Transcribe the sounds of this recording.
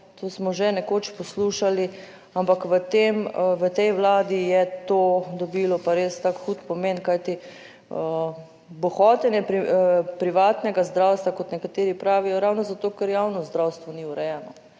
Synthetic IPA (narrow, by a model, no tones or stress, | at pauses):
t̪oːsmɔʒɛnɛkoːt͡ʃpɔsluːʃali | ampakʋət̪emʋət̪ɛjʋlaːd̪ijɛt̪oːd̪ɔbilɔpaɾeːst̪aːkxuːt̪pɔmenkajt̪i | ə | bɔxɔt̪ɛnjɛpɾipɾiʋaːt̪nɛɡazd̪ɾawst̪ʋakɔt̪nɛkat̪eːɾipɾaːʋijɔɾawnɔzat̪oːkɛɾjawnɔzd̪ɾawst̪ʋɔniuɾɛjɛːnɔ